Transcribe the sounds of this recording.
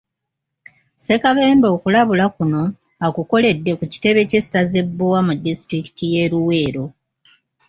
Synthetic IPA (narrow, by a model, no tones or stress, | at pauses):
se̞kaβe̞ːmbo̞ːkulaβulakuno̞ | akuko̞le̞dːe̞kuci̥te̞βe̞ce̞sːaze̞bːowamudːistɾiki̥tije̞ɾuwe̞ːɾo̞